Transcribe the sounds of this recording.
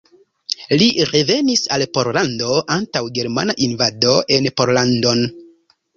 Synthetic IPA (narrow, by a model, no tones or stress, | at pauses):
liɾe̞ve̞nisalpo̞ɾlando̞antawɡe̞ɾma̰naʔinvado̞ʔe̞npo̞ɾlando̞n